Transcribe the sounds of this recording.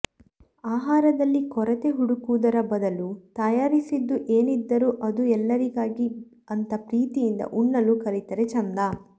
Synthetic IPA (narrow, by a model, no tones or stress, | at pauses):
aːɦaːɾɐd̪ɐlːikɔɾɐt̪eɦuɽukuːd̪ɐɾɐbɐd̪ɐlut̪ɐjaːɾisid̪ːuʔeːnid̪ːɐɾuʔɐd̪uɛlːɐɾiɡaːɡi | ɐnt̪ɐpɾiːt̪ijind̪ɐ̰ʔuɳːɐlukɐlit̪ɐɾet͡ʃɐnd̪aː